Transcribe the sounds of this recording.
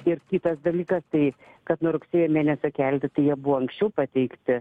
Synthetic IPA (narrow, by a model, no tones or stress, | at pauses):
ɪrkʲiːt̪ɐsd̪ɐlʲiːkɐst̪ɐɪ | kɐt̪nʊɾʊksʲeːjoːmʲeːnʲɛsʲokʲɛlʲt̪ʲɪt̪ɐɪjiɛbʊʋoːɐŋksʲt͡ʃʲɛʊpɐt̪ʲɛɪkt̪ʲɪ